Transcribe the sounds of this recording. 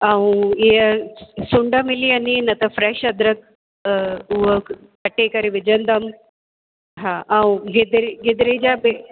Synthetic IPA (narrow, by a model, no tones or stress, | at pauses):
aũɪɦəsʊɳɖəmɪliɐninɐt̪ɐfɾɛːʃɐd̪ɾək̚ | ʊɦə | kɐʈekɐɾeʋɪd͡ʑə̃nd̪əm | ɦaːʔaũɡɪd̪ɾɡɪd̪ɾed͡ʑabe